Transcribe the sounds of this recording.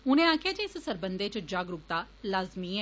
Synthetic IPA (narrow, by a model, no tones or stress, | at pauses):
ʊnẽːaːkʰjaːd͡ʒeːɪssəɾbənd̪eːt͡ʃəd͡ʒaːɡɾʊk̚t̪aː | laːzmiːɛ